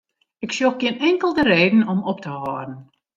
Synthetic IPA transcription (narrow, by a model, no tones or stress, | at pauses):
ɪksjoxɡɪənɛŋkəlˠdəɾeːdən̩ɔmɔp̚təhɔːdən̩